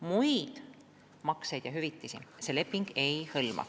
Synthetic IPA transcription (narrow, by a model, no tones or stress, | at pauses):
mujd̪̥ | mɑksejd̪̥jɑɦyvit̪ːˑisise̞ːle̞pːˑiŋɡ̥e̞jhɤlmɑ̰